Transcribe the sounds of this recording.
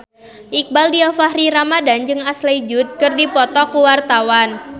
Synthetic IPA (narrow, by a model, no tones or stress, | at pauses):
ʔik̚baldiɔfahɾiɾamadand͡ʒɨŋaslajd͡ʒut̪̚kɨrdipɔt̪ɔkuwart̪awan